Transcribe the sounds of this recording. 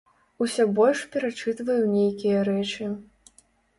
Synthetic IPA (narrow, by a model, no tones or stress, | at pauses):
usʲɔbɔlʲʂpʲɛɾat͡ʂɨt̪vɐjunʲejkʲijɐɾɛt͡ʂɨ